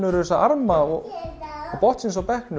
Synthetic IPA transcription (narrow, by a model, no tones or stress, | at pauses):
nʏvɛɾʏɛsaaɾmaɔ | ɔɣpɔht̪sɪnsɔpɛhknʏ